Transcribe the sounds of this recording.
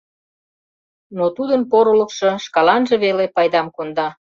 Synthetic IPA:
not̪ud̪ənpoɾolə̆kʃɤ̽ʃkɑlɑnʒeβelepɑjd̪ɑmkond̪ɑ

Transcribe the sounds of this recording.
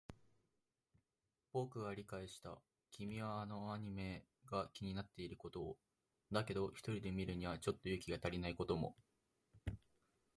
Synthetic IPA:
bo̞kɯ̟ɡaɾʲikaiɕi̥t̪a̰ | kʲʰimʲiβaːno̞aɲ̟ime̞ | ɡakʲiɲ̟inat̪ːe̞iɾɯ̟ko̞t̪o̞ː | d̪ake̞d̪o̞çi̥t̪o̞ɾʲid̪e̞mʲiɾɯ̟ɲ̟iβ̞at͡ɕo̞t̪ːo̞jɯ̟ːkʲiɡat̪aɾʲinaiko̞t̪o̞mo̞̰

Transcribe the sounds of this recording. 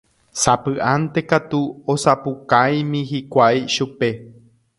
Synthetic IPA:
sapɨʔant̪e̞kat̪uosapukaj̃mĩɦikʷajʃupe̞

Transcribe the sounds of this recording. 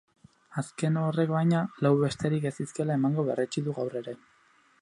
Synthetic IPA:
aske̞nore̞kβajɲalawβe̞st̪e̞ɾike̞siske̞lae̞maŋɡo̞βe̞̰ret͡ʃiðuɣawre̞ɾe̞

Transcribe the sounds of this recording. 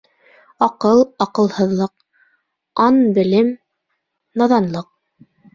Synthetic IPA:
ɑqɤlˠɑqɤ̆lˠhɤ̆ðlˠɤq | ɑnbɘ̆lɘm | nɑðɑnlˠɤq̚

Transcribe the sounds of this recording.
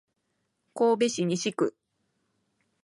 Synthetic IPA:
koːbe̞ɕiɲ̟iɕikɯ

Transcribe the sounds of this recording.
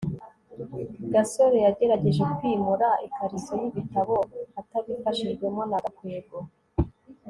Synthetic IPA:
ɡaso̞ɾe̞jaɟe̞ɾaɟe̞ʒe̞kwiːmuɾaʔikaɾizojiβitaβo̞ataβifaʃiʒɡwe̞mo̞naɡakweːɡo

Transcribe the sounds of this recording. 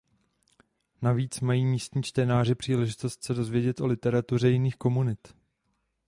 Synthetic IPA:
naviːt͡smajiːmiːst̪ɲiːt͡ʃt̪ɛnaːr̝ɪpr̝̥iːlɛʒɪt̪o̞st̪sɛdo̞zvjɛɟɛt̪ʔo̞lɪt̪ɛɾat̪ur̝ɛjɪniːxko̞munɪt̪

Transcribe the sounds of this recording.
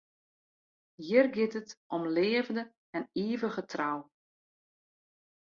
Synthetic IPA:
jirɡɪtətʔɔmlɪːəvəndə | ɛniːvəɣətʰraw

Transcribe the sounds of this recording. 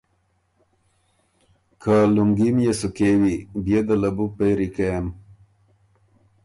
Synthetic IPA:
kʰaluŋɡimjesukewibjed̪əlɐbupejɾikem

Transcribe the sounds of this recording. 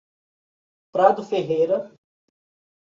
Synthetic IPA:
pɾad̪ʊfeɦejɾɐ

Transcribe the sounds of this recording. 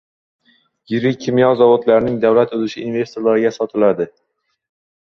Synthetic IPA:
jɪɾɪkʲʰːɪmjɒzɒvot̪laɾɪnɪŋd̪awlat̪ozɪʃɪːnve̞st̪oɾlaɾɪɡʲasɒt̪ʰɪlad̪ɪ

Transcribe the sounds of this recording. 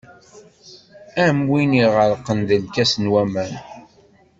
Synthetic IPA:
æmwiniʁəɾqːənðəlkæsənwæmæn

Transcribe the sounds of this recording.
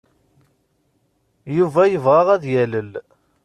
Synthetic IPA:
juvæjəvʁɑʁæðjæləl

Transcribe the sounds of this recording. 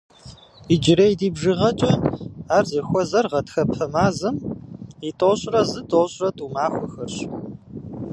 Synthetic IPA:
id͡ʒɪɾejdiːbʒɨʁɐt͡ʃʼɐaːrzixʷɔzɐrʁɐtxɐpʰɐmaːzɨmitʼoɕʼrɐzɨtʰʼoːɕʼrɐtʼumaːxʷɔxɐrɕ

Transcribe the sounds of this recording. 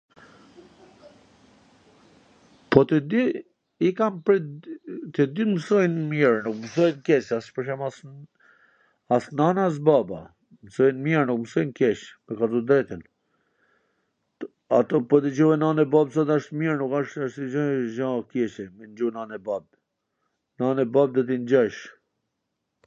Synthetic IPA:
pɔt̪ɛd̪i | ikampɾɛ | t̪əd̪iməsɔjnmiɾnukməsɔjnkɛsaspəɾʃ̬ama | asnanas̬baba | məsɔjnmiɾnukməsɔjnkjɛʃmɛkat̪ɔd̪ɾɛt̪in | at̪ɔpɔd̪əd͡ʑuɛnanɛbabs̬ɔt̪aʃt̪miɾnukaʃəʃt̪əd͡ʒɔʒãkjɛʃɛmɛnd͡ʒunanɛbab̚ | nanɛbab̚d̪ɔt̪̬ind͡ʑaʃ

